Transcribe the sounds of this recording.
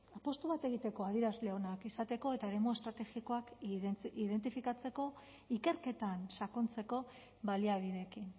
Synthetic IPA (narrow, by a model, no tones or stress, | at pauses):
apo̞st̪uβ̞at̪e̞ɣ̞it̪e̞ko̞að̞iɾazle̞o̞nakisat̪e̞ko̞e̞t̪aeɾe̞moe̞st̪ɾat̪e̞xiko̞akiðe̞nt̪̬ifikat͡se̞ko̞ | ike̞ɾke̞t̪ansako̞nt͡se̞ko̞ | βaliaβ̞iðe̞kin